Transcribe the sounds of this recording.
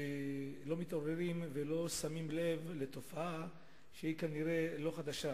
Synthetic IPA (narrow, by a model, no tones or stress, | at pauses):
elo̞mit̪o̞ʁeʁimvelo̞samimle̞vle̞t̪o̞faa | ʃeikaniʁe̞lo̞χad̪aʃa